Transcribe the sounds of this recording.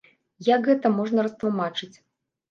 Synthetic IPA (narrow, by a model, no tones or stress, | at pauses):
jɐkɣɛt̪ɐmɔʐnɐɾɐst̪lˠumat͡ʂɨt͡sʲ